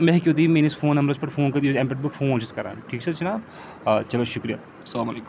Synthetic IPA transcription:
mẽɦkioːt̪imeːnisfʰoːnɐmɾɐspɐɾfʰoːnkɐd̪ioẽmpeʈ̚bɐfʰõːnoʃɪskɐɾa̰ːʈʰiːkt͡ʃɐt͡ʃɐnaːb̚ | t͡ʃɐloʃʊkɾija̰ː | slaːmɐleːk

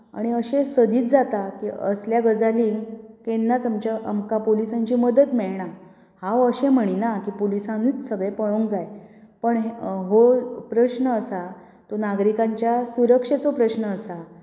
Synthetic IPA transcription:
a̰ɽ̃iəɕẽsəd̪iːt͡s̪d͡zat̪akḭə̰sljaɡəd͡zalikenːat͡samt͡ɕaʔamkapolisaɲt͡ɕiːməd̪ət̪mɛɭɳa | hãwəɕem̤əɽ̃inakiːpolisãniːt͡ssəɡɭepəɭoŋkd͡zajpəɳɦɦopɾəɕnəːsa | t̪onaɡɾikãɲt͡ɕjasuɾəkʂet͡sopɾəɕnəːsa

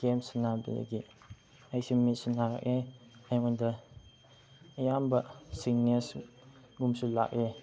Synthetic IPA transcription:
ɡemsnabḭlḛɡi | ajsimisinaɾa̰k̚eajmandɐ | jambɐsiŋnes | ɡumsula̰k̚e

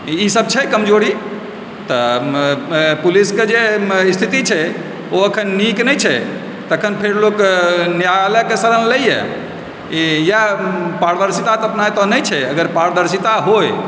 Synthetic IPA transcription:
isəb̚t͡ʃʰɛkəmd͡ʒoɾi | t̪ɔ | pulisked͡ʒeist̪ʰit̪it͡ʃʰɛ | oəkʰənːiknəjt͡ʃʰɛ | t̪əkʰənpʰeɾloknjaləkesəɾənləjjɛ̰ | ijapaɾd̪əɾsit̪at̪ɔəpnajt̪ɔnəjt͡ʃʰɛəɡəɾpaɾd̪əɾsit̪aɦoj

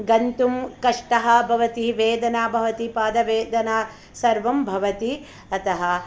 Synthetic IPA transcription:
ɡɐnt̪umkɐʂʈɐɦɐ̆bʱɐʋɐt̪iʋeːd̪ɐnaːbʱɐʋɐt̪ipaːd̪ɐʋeːd̪ɐnaː | sɐɾʋɐmbʱɐʋɐt̪i | ɐt̪ɐɦɐ

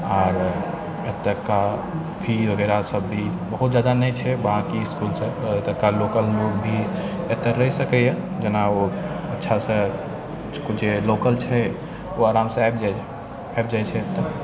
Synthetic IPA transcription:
aːɾ | et̪ːəkːa | bʱiɦoɡeɾasəbːi | bəɦut̪̚d͡ʒad̪anəjt͡ʃʰɛʋəɦãkiɪskulsẽet̪əkːalokəlmuɡbʱi | et̪əɾːəɦisəkɛjɛ̃d͡ʒenaoətːʃʰasə̃ | kod͡ʒelokəlt͡ʃʰɛ | oaːɾamsẽajbd͡ʒa | ajb̚d͡ʒajt͡ʃʰɛt̪ə

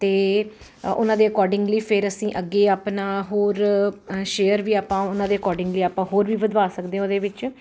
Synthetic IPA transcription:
t̪eː | ʊ̰nãːd̪eːəkɔːɾɖɪ̃ŋɡliːpʰɪɾəsĩːʔəɡːeːaːpnaːɦoːɾʃeːəɾʋiːaːpãːʊnãːd̪eːəkɔːɖɪ̃ŋɡliːaːpãːɦoːɾʋiːbəd̪ʋaːsəkd̪ẽːoːd̪eːʋɪt͡ʃ

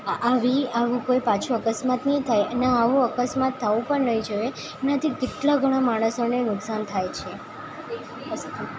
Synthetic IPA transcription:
aʋiaʋũkojpat͡ʃʰuəkəsmat̪nət̪ʰajnaːʋũəkəsmat̪ʰːaʋũpəɳnəĩd͡ʒəʋe | enat̪ʰikeʈlaɡʱəɽ̃amaɽ̃əsonenʊksant̪ʰajt͡ʃʰe

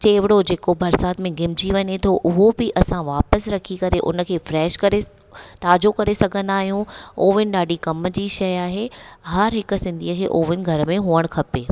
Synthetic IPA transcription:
t͡ɕeːʋɪɽod͡ʑeːkobɐɾsaːt̪mẽɡɪmd͡ʑiʋɐɲet̪ʰoʔʊɦobɪʔɐsãʋaːpəsɾɐkʰikɐɾeʔʊ̰nə̆kʰeːfɾɛːʃkɐɾe | t̪aːd͡ʑokɐɾesɐɡʱə̃nd̪aːɦijũoːʋɪnɪ̆ɗaːɖikɐmd͡ʑiːʃɐjaːɦeɦɐɾɦɪksɪ̃nd̪ʱiːəkʰeːʔoːʋɪnɪ̆ɡʱɐɾmẽɦuːəɽ̃kʰɐpeː

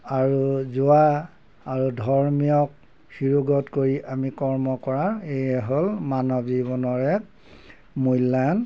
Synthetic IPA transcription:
aɹuzua | aɹudʱɔɹmijɔk̚ | xiɹuɡɔtkoɹiʔamikɔɹmɔkɔɹaɹejɛɦolmanɔbzibɔnɔɹɛk̚ | mujlːan

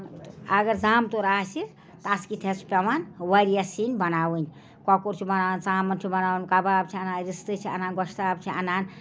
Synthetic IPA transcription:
ɐɡəɾd͡zamt̪oɾasi | t̪askit̪ʰespɐmanwəɾijasinbɐnawɨnʲ | kɔkoɾt͡ʃʰibɐnawnsamənt͡ʃʰibɐnawnkababt͡ʃʰianaːnɾist̪ɨt͡ʃʰia̰naːnɡɔʃʰt̪abt͡ʃʰianaːn

